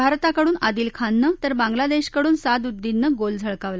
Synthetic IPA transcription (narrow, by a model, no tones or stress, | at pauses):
bʱaɾt̪akəɽuːnad̪iːlkʰanːət̪əɾbãŋɡlad̪eɕkəɽuːnsad̪ud̪ːinːəɡold͡zʱəɭkaʋla